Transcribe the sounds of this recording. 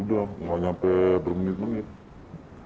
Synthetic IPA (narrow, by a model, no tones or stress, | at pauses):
udaŋaɲampɛbərmənɪt̪̚mənɪt̪̚